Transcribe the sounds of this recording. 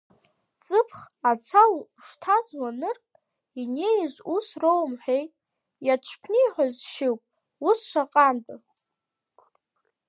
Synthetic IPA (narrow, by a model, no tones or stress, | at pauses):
t͡sʼɨpʰχ | at͡sʰal | ʂtʰazwanɨrkʼ | ine̞jzʷusrowmħʷᶣej | jat͡ʃʷʰpʰniħʷᶣazʃɪwpʼ | usʃʷaqʼantʼ